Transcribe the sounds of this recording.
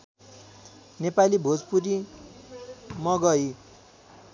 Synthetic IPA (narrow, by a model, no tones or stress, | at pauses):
nepalibʱod͡zpuɾi | mʌɡʌj